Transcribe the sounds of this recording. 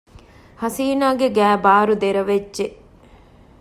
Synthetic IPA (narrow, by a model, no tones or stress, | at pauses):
hɐsiːnaːɡeɡæːbaːɾud̪eɾɐʋed͡ʒʒe